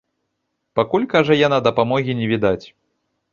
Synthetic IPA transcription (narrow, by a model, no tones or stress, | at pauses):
pakulʲkaʐɐjanad̪ɐpamɔɣʲinʲɛvʲid̪at͡sʲ